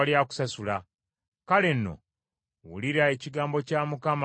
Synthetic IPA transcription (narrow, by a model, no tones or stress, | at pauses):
aljaku̥sasula | kale̞nːo̞̰ | wṵliɾae̞ciɡaːmbo̞caːmukam